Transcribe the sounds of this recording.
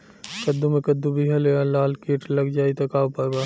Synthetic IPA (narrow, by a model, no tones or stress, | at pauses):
kɐd̪ːumẽkɐd̪ːubʱiɦɐlealaːlkiːʈlɐɡd͡ʒaːit̪ɐkaːpɐɡaː